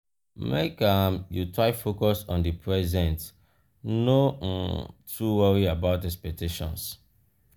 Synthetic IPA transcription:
mḛkãmjutɹaɪfokɔsɔ̃ndipʰɹɛzɛ̃nt | no | tʰuwʌɹiabaʊtɛkspɛk̚tʰeʃɔ̰̃ns

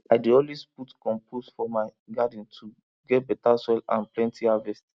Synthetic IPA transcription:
aɪdeɔlwesputkɔ̃mpʰosfɔmaɪɡadĩntʰu | ɡɛt̚bɛtaswɛlã̰nplɛ̃ntʰihavɛst

